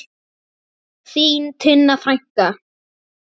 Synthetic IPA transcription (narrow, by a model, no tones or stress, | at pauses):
θiːnt̪ʰʏnːaθɾajŋ̥ka